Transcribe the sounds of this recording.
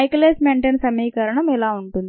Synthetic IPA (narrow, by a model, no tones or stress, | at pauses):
ɐjkleːsmeːɳʈeːnsɐmiːkɐɾɐɳɐmɛlaːuɳʈund̪